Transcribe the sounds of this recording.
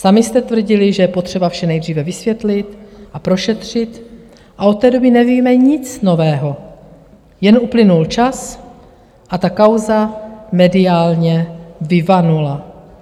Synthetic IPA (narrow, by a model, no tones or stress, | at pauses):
samɪst̪ɛt̪vr̩ɟɪlɪʒɛjɛpot̪r̝̥ɛbafʃɛnɛjd̪r̝iːvɛvɪsvjɛt̪lɪt̪ʔapɾo̞ʃɛt̪r̝̥ɪt̪ | ʔaot̪ːɛːdo̞bɪnɛviːmɛɲɪt͡sno̞vɛːɦo̞ | jɛnʔuplɪnult͡ʃas | ʔat̪akawzamɛdɪaːlɲɛvɪvanula